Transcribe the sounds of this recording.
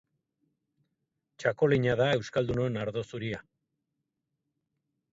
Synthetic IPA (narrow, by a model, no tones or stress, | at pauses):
t͡ʃako̞leɲaðae̞wskald̪unoenaɾðo̞suɾia